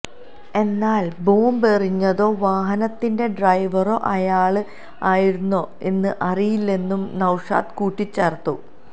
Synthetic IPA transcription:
e̞nːaːlboːmberiɲːɐðo̞ːʋaːɦɐnɐt̪ːinde̞ɖrɐjʋɐro̞ːʔɐjaːɭɨ | aːjiɾunːo̞ː | e̞nːɨʔɐrijilːe̞nːumnɐwʂa̰ːt̪kuːʈːit͡ɕːɐrt̪ːṵ

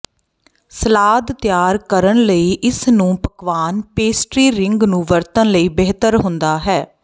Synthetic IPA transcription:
səlaːd̪t̪jaːɾkəɾənləiːʔɪsnũːpəkʋaːnpeːsʈɾiːɾɪŋɡnũːʋəɾt̪ənləiːbeːt̪əɾɦʊnd̪aːɦɛː

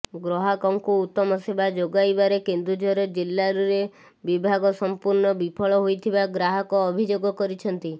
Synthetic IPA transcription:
ɡɾɔɦakɔŋkuːt̪ːɔmɔsebad͡ʒoɡajbaɾekend̪ɾud͡ʒʱɔɾɔd͡ʒilːaɾuɾe | bibʱaɡɔsɔmpuɾnɔbipʰɔɭɔɦojt̪ʰibaɡɾaɦɔkɔːbʱid͡ʒoɡɔkɔɾit͡ʃʰɔnt̪i

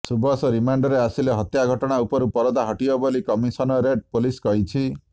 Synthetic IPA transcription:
subɔsɔɾimaɳɖɔɾeasileɦɔt̪jaɡʱɔʈɔɽ̃aupɔɾupɔɾɔd̪aɦɔʈiɔbolikɔmisɔnɔɾeɖ̚poliskɔɦit͡ʃʰi

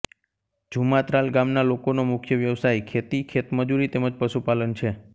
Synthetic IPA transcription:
d͡ʒʱumat̪ɾalɡamnalokonomʊkʰjəʋjəʋsajkʰet̪ikʰet̪məd͡ʒuɾit̪eməd͡ʒpəʃupalənt͡ʃʰe

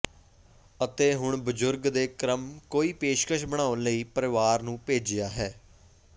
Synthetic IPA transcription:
ət̪eːɦʊɳbʊd͡ʒʊɾɡd̪eːkɾəmkoːiːpeːʃkəʃbəɽ̃aːʊnləiːpəɾɪʋaːɾnũːpeːd͡ʒɪjaːɦɛː

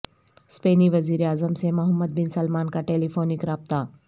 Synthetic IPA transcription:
speːniʋɐziːɾeaːzəmsemɐɦəmːəd̪̚bɪnsɐlmaːnkaʈeːlifoːnɪkɾaːb̚t̪a

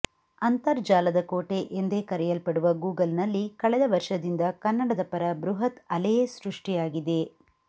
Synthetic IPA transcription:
ɐnt̪ɐɾd͡ʒaːlɐd̪ɐkoːʈe̞ʔend̪ekɐɾɛjɐlpɐɽuʋɐɡuːɡɐlnɐlːikɐɭɛd̪ɐʋɐɾʂɐd̪ind̪ɐkɐnːɐɽɐd̪ɐpɐɾɐbɾuɦɐt̪ɐlejesɾuʂʈijaːɡid̪e̞

